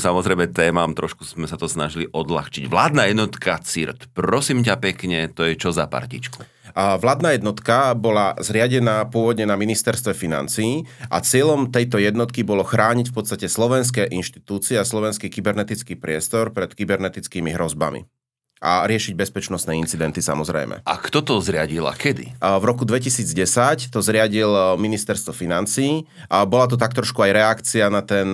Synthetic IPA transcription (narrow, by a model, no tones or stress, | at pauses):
samɔzɾɛjmɛt̪ɛːmamt̪ɾɔʃkuzmɛsat̪ɔsnaʒiliʔɔd̪la̰xt͡ʃiɟʋlaːd̪najɛd̪nɔt̪kʰat͡siɾt̪pɾɔsiːmc̬apɛkɲɛt̪ɔjɛt͡ʃɔzapa̰ɾcḭt͡ʃku | ʋlaːd̪naːjɛd̪nɔt̪kabɔlazɾɪaɟɛnaːpʊɔʋɔd̪ɲɛnaminist̪ɛɾst̪ʋɛfina̰nt͡siiːʔa̰t͡sɪɛʎɔmt̪ɛjt̪ɔjɛd̪nɔt̪kibɔlɔxɾaːɲicfpɔt̪st̪acɛslɔʋɛns̬kɛːʔinʃt̪i̥t̪uːt͡siɛaslɔʋɛnskikibɛɾnɛt̪it͡skiːpɾɪɛst̪ɔɾpɾɛt̪kibɛɾnɛt̪it͡skiːmiɦɾɔzba̰mḭ | a̰ɾɪɛʃiɟ̚bɛspɛt͡ʃnɔst̪nɛːint͡sid̪ɛnt̪isa̰mɔzɾɛ̰jmɛ̰ʔa̰kt̪ɔt̪ɔzɾɪaɟila̰kʰɛd̪ḭvɾɔkud̪ʋɛcisiːd͡zɟɛsact̪ɔzɾɪaɟilminist̪ɛɾst̪ʋɔfinant͡siː | bɔlat̪̬ɔt̪ak̚t̪ɾɔʃkuajɾɛakt͡sianat̪ɛn